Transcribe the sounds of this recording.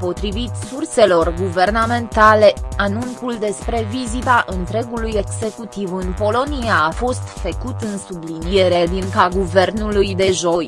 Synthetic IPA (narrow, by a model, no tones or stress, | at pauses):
po̞t̪ɾivit̪surse̞lo̞rɡuve̞rname̞nt̪ale̞anunkuld̪e̞spɾe̞vizit̪aʔɨnt̪ɾe̞ɡuluje̞ɡze̞kut̪ivɨnpo̞lo̞niaːfo̞st̪fəkut̪ɨnsublinije̞ɾed̪iŋkaɡuve̞rnulujd̪e̞ʒoj